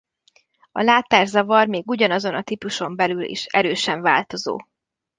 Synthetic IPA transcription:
ɒ̰laːt̪aːrzɒvɒrmeːɡuɟɒnɒzo̞nɒt̪ipuʃo̞mbɛlylḭʃɛ̰ɾøːʃɛɱvaːlt̪o̞zo̰ː

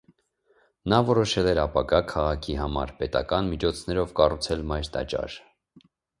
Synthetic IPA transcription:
nɑvɔɾɔʃɛlɛɾɑpɑɡɑkʰɑʁɑkʰiɦɑmɑ̰ɾpɛt̪ɑkɑnmit͡ʃʰɔt͡sʰnɛɾɔvkɑrut͡sʰɛlmɑjɾt̪ɑ̰t͡ʃɑ̰ɾ

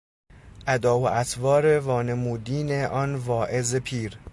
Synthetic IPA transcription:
ʔæd̪ɒːhoʔæsvɒːɾevɒːnemuːd̪iːneʔɒnvɒːʔezepʰiːɾ

